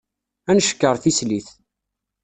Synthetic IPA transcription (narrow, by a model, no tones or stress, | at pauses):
ænʃə̥kːəɾˤθisliθ